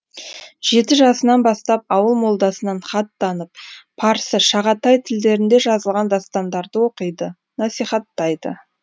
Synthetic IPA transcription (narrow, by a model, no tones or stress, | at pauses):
ʒ̥e̞t̪ɪʒɑsənɑnbɑst̪ɑp̚ɑwəlˠmo̞lˠd̪ɑsənɑɴχɑt̪ːɑnəp̚pʰɑɾsəʃɑʁɑt̪ɑjt̪ʰɪld̪e̞ɾɪnd̪e̞ʒɑzəlˠʁɑnd̪ɑst̪ɑnd̪ɑɾd̪əwo̞qəjd̪ə | nɑsijχɑt̪ːɑjd̪ə̰